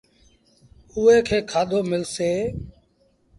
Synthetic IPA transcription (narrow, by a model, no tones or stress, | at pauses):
uːeːkʰeːkʰaːɗ̪ʱoːmɪlseː